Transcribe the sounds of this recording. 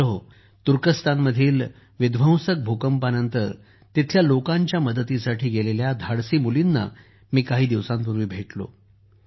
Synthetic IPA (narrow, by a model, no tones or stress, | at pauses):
əɦ | t̪uɾkəst̪ʰanməd̪ʱiːl | ʋid̪ʋə̃w̃sək̚bʱokəmpanənt̪əɾ | t̪it̪ʰljalokaɲt͡ɕjaməd̪ət̪isaʈʰiːɡeleljad̪ʱaɽsiːmulinːa̰ | miːkaɦiːd̪iʋsãmpuɾʋiːbʱeʈlo̰